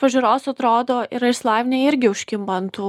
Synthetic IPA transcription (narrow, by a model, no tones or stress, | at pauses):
pɐʒʲʊɾoːsɐt̪ɾoːd̪oːʔɪɾɐɪslˠɑːʋʲnʲeːɪɾʲɡʲɪʊʃʲkʲɪmbɐnt̪uː